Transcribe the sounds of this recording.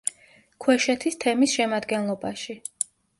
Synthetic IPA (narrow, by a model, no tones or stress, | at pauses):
kʰwɛʃɛt̪ʰist̪ʰɛmisʃɛmad̪ɡɛnlˠɔbaʃi